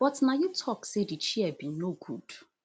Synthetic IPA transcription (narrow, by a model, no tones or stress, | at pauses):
b̥ɔtnajutʰɔksedit͡ʃiɛbĩnoɡud̥